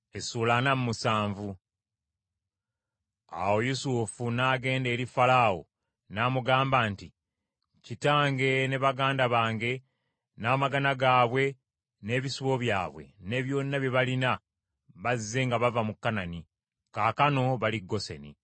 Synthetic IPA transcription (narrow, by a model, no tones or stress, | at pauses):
esuːlanamumusaːɱvu | a̰wo̞jusufunaːɡe̞ːnde̞ːɾifalawo̞̰ | naːmuɡaːmbaːnti | citaːŋɡe̞ne̞βaɡaːndaβaːŋɡe̞ | naːmaɡanaɡaːβwe̞ | ne̞ːβisuβo̞βjaːβwe̞̰ne̞ːβjo̞ːnːaβje̞βalina | βazzːe̞ŋɡaβavamukːanani | kaːkano̞βaliɡːo̞sḛnḭ